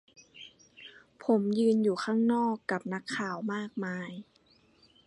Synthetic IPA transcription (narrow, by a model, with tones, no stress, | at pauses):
pʰo˩˦mjɯː˧njuː˨˩kʰaː˥˩ŋnɔː˥˩kːa˨˩p̚na˦˥kʰːaː˨˩wmaː˥˩k̚maː˧j